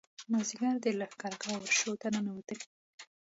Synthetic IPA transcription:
maziɡaɾd̪əlaxkaɾɡɑwəɾʃot̪ananawət̪əl

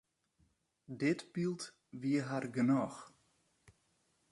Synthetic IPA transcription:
dɪtbilˠt | ʋiəɦarɡənɔx

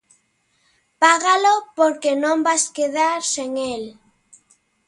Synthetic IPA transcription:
paɣalopoɾkenõmbaskeðaɾseŋel

